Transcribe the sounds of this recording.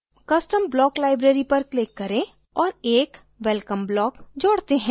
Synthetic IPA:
kɐsʈəmblɔːklaːɪbɾeːɾipɐɾklɪkːɐɾẽ | ɔːɾeːk | ʋɛlkəmblɔːkd͡ʒoːɽt̪eɦɛ̃ː

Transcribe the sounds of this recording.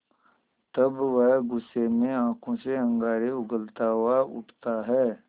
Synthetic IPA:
t̪ɐbʋəɦɡʊsːemẽãːkʰõseə̃ŋɡaːɾeʊɡəlt̪aːwaʊ̰ʈʰt̪aɦɛː

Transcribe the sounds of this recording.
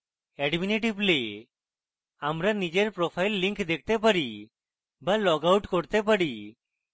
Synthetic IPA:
ɛɖmineʈible | amɾanid͡ʒeɾpɾɔpʰajlːiŋkʰd̪ɛk̚t̪ɛp̬əɽi | balɔɡawʈkɔɾt̪ɛp̬əɽi

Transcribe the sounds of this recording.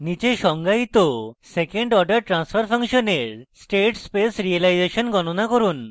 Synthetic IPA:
nit͡ɕeʃɔŋɡait̪osekeɳɖɔɾɖəɾʈɾanspʰɔɾpʰɔŋʃɔneɾsʈeʈspesɾielajd͡ʑeʃɔnɡɔnonakɔɾun

